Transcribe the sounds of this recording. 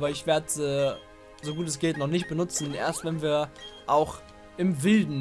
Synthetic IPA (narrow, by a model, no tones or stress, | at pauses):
bɐɪçv̥eːɐdəzɛː | zoɡuːtɛsɡ̥ɪltnɔχnɪçt̚b̥ənʊt͡sn̩ʔḛːɐstv̥ɛnviːɐʔaʊx | ʔɪmvɪldn̩